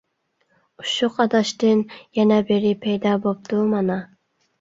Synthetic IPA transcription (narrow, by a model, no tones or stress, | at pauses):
uʃuqʰɑd̪ɑʃt̪ɨnjɛnɛbɪɾɪpʰejd̪ɑbop̚t̪umɑnɑ